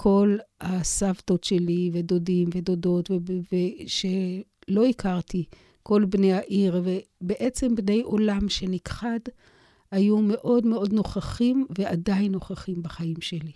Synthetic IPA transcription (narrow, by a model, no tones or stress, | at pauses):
kʰo̞lhasavto̞tʃe̞livedo̞dimve̞do̞do̞tveveʃe | lo̞ikʰaʁt̪i | ko̞lbne̞jaʔiʁvebeʔet͡se̞mbne̞jʔo̞lamʃe̞nikχad | hajume̞ʔo̞dme̞o̞dno̞χaχimve̞adainːo̞χaχimbaχaimʃe̞li